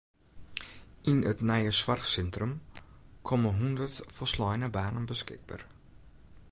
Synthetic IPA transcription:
ɪnətnɛjəswɐrχsɛntrəmkʰɔməɦɔndərtfərslɑjnəbaːnənbəskɪ̰k̚ba̰r

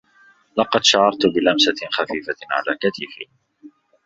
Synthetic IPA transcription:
lɑqɑd̪ʃaʕɑɾˤt̪ʊbɪlamsaxafiːfaʕa̰la̰ːkat̪iːfi

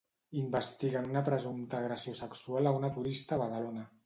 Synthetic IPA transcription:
imbəst̪iɣanunapɾəzumt̪aːɣɾəsiosəksualaunat̪uɾist̪aβaðalona

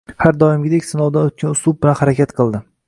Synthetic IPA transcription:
haɾd̪ɒɪmɡʲɪd̪ekʲsɪnɒwd̪anot̪̚kʲʰanʊslˠʊb̚bɪlanhaɾakʲʰat̪qʰɨlˠd̪ɪ

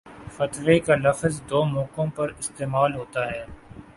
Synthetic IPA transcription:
fɐt̪ʋekalɐfzd̪oːmɔːkõpɐɾɪst̪eːmaːlɦoːt̪aɦɛː

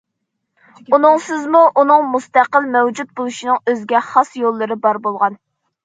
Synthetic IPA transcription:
unɨŋsɨzmuʔunɨŋmust̪æqəlˠmɛwd͡ʒut̪̚bolˠuʃinɨŋøzɡʲɛχɑsjolˠːɨɾɨbɑɾbolˠʁɑn

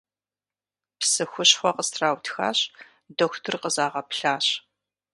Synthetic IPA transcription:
psɨxʷʊɕxʷɔqəstʰraːwtʰxa̰ːɕ | doːxʷtʰɨrqəzaːʁɐpɬaːɕ

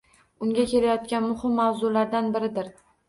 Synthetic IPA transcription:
ʊŋɡʲakʲe̞lajɒt̪̚kʲanmʊhɪmːawzʊlaɾd̪anbɪɾɪd̪ɪɾ

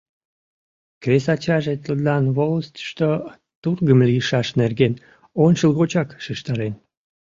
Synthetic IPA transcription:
kɾesɑt͡ɕɑʒet̪əlɑnβoləst̪ə̥ʃt̪o | t̪urɣəmlijəʃɑʃnerɡen | onʲt͡ɕəlˠɣot͡ɕɑkʃiʃt̪ɑɾen

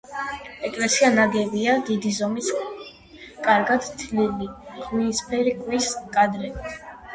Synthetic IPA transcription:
ɛkʼlɛsianaɡɛbiad̪id̪izɔmis | kʼaɾɡad̪t̪ʰliliχwiispʰɛɾikʼwiskʼad̪ɾɛbit̪ʰ

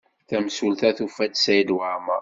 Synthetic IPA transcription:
θæmsulθæθufæd̪sæjəd̪waʕma

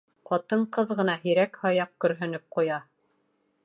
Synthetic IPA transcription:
qɑt̪ɤɴqɤðʁɤ̆nɑɦiɾækhɑjɑq̚kɵ̆ɾɦɵ̆nɵp̚qujɑ

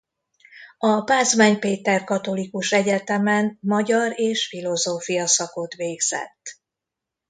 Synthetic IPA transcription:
ɒpaːzmaːɲpeːt̪ɛrkɒt̪o̞likuʃɛɟɛt̪ɛmɛnmɒɟɒɾeːʃfilo̞zoːfijɒsɒko̞t̪ʋeːɡz̥ɛ̰t̪ː

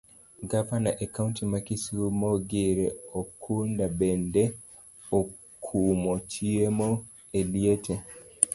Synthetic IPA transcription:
ɡavanaʔakauntimakisumɔɡiɾɛokʰundabɛndɛ | o | kʰumɔt͡ʃiemɔ | elietʰe

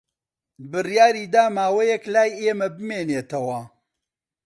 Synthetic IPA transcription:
bɨrjaːɾiːd̪aːmaːwɐjɛklaːjeːmɐbɨmeːneːt̪ɐwɐ

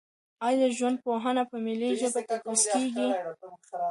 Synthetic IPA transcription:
ɑjd̪əʒwand̪̚poɦanapəmiliʒəbakapuskeɡi

